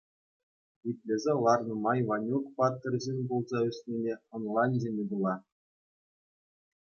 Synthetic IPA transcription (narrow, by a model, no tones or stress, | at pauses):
it̪ʲlʲezʲelˠɑrnɤ̆mɑjvɑnʲukpɑt̪ːɤ̆rʲʑenʲbolˠzɑɵsʲnʲenʲeŏnlˠɑnʲzʲemʲed̪ulˠɑ